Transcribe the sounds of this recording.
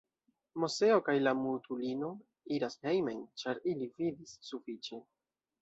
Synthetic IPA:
mose̞o̞kajlamutulino̞ | iɾashejmajnt͡ʃaɾilividisːufit͡ʃe̞

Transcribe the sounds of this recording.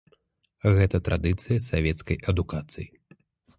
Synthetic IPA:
ɣɛt̪ɐt̪ɾʔad̪ɨt̪sɨjɐsavʲɛt̪skɐjʔɐd̪ukat̪sɨ̰ji

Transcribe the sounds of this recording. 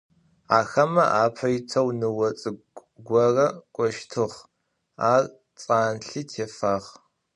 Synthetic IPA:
aːxɐmɐ̰ʔaːpʰɐjɪtʰɐwnɨwɐt͡sʼɨ | ɡʷɔrɐkʷʼɔʃtʰɨʁ | aːr | t͡sʼaːnɬiːtʰeːfaːʁ

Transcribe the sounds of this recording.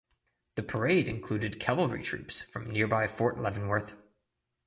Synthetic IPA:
ðɨpʰə˞eɪɾɨ̃nkʰl̥ʉɾɨd̚kʰævl̩ˠɹḭtʰɹ̥ʉ̰psfɹʌ̃mnɪɹbaɪfɔɹʔlɛṽn̩wə˞θ

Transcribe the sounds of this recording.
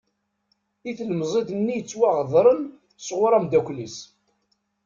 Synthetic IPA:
iθləmzˤed̪nːijət͡sːwaʁðˤɾˤən | sʁʊɾˤæmd̪ækʷlis

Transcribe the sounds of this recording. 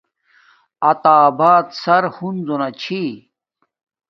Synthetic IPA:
ɐt̪aːbaːt̪sɐɾhunzonɐt͡ɕʰi

